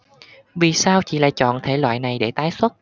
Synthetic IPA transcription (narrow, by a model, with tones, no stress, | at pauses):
vi˨˩saː˧wt͡ɕḭ˧˨la̰ː˧˨jt͡ɕɔ̰˧˨nt̪ʰe˧˩lwa̰ː˧˨jna˨˩jɗe˧˩t̪aː˨˦jswə˦˥t̚